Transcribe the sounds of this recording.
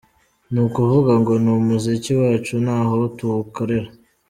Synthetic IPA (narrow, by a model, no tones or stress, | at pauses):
nukuvuɡaŋɡo̞numuziciwaːt͡ʃunaːɦo̞tuhukoɾeɾa